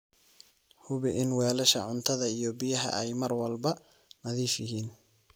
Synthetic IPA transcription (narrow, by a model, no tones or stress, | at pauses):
hʊβɪʔɪnwɛːlɐʃɐ̰ʕʊnt̪ʰɐðɐijɔbɪjɐɦɐ̰ʔɛjmɐrwɐlbɐ | nɐðiːfjɪɦiːn